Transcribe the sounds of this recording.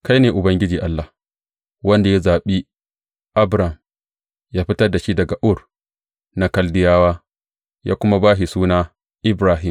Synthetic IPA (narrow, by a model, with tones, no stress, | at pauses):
ka˦jneː˨ʔʊ˨bɐ˦ŋɡʲɪ˦d͡ʒiː˨ʔa˦lːaː˨ | wɐ˦nda˨ja˦zaː˨ɓi˦ | ʔa˦bɾa˨m | jaː˦ɸɪ˦tɐ˦rda˨ʃi˦dɐ˨ɡa˨ʔʊ˦˨r | na˦kɐ˦ldɪ˦jaː˦waː˦ | ja̰ː˦kʷʊ˦ma˦baː˦ɦi˨suː˦naː˦ | ʔɪ˦bɾaː˦ɦɪ˦˨m